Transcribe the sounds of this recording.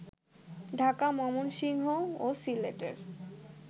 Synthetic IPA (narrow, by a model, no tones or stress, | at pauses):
ɖʱakamɔmonʃiŋɦoosilḛʈḛɾ